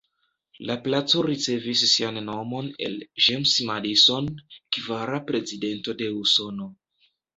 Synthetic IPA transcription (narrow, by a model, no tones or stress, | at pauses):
laplat͡so̞ɾit͡se̞visːianːo̞mo̞ne̞̰lʒemsmaliso̞nkvaɾapɾe̞zide̞nto̞de̞uso̞no̞